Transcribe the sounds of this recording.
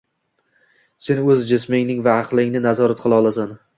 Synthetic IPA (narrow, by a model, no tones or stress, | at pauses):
sʰɪnɵzd͡ʒɪsmɪŋnɪŋvaqlˠɪŋʲnɪnazɒɾat̪̚qʰɨlˠɑɒlˠasan